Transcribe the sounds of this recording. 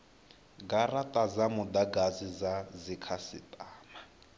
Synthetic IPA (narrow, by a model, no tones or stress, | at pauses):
ɡaratʼazamʊd̪aɡazizazikʰasɪ̰tʼaːma